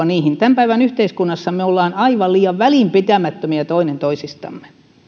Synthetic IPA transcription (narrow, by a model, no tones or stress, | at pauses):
ɑniːhint̪æmpæiʋænyht̪eiskunːɑsːɑmeolːɑːnɑiʋɑlliːɑʋʋæliˑmpit̪æmæt̪ːømiɑt̪oinent̪oisist̪ɑ̰mːe̥